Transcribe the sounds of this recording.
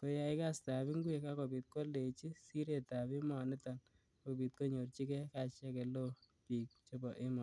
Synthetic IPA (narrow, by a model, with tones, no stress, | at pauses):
ko˦ja˦ɪ˦ka˦sta˨bi˦ŋɡwe˨ka˦ko˨bi˨t̚ko˦le˨t͡ʃi˦si˦ɾe˨ta˨bɪ˦mɔ˨nɛ˦ta˨n | ko˨pi˨t̚ko˦ɲo˨rt͡ʃi˦kɛ˦ka˨t͡ʃɛ˦kɛ˨lo˦ | pi˨k̚t͡ʃo˦bɔ˨ʔɪ˦mɔ˨